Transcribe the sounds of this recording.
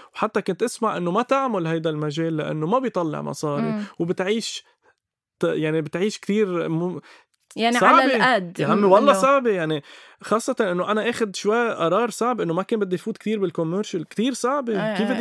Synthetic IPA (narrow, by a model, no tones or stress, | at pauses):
wħat̪ːakʊnt̪ʔaɪsmaʕʔɪnːomat̪aʕmʊlhajd̪almaʒeːlːaʔa̰nːomabɪjt̪ˤɑlːɪ̰ʕmɑ̰sˤɑːɾiwbɪt̪ʕiːʃ | jaʕnibɪt̪ʕiːʃkt̪iːɾm | jansɑʕbiad̪ɦamːiwɑlˤːɑsˤɑʕbijaʕni | xɑːsˤːɑt̪ˤɑnʔɪnːoʔanaʔeːxad̪ʃwajʔɑɾˤɑːɾˤsˤaʕbʔɪnːomakeːmbɪd̪ːijfuːt̪kt̪iːɾbɪlkʊmːəɾʃalkt̪iːɾsaʕbikiːfbɪd̪